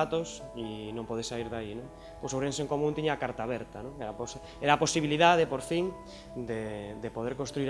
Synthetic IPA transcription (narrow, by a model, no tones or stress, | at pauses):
at̪osinõmpoðesaiɾðainõŋ | posowɾẽnseŋkomũnt̪iɲaːkaɾt̪aːβɛɾt̪anõŋɛɾapos | ɛɾaːposiβiliðaðepoɾfiŋ | d̪ed̪epoð̞eɾkõnst̪ɾuiɾ